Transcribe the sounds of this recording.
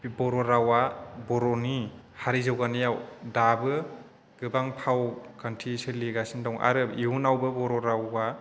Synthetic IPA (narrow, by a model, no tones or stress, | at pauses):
bɔɾɔɾawabɔɾɔni | haɾizawɡanɯjawdabɯ | ɡɯbaŋpʰawkʰantʰisɯliɡasindɔwŋa̰ɾɯiunawbɯbɔɾɔɾawɡa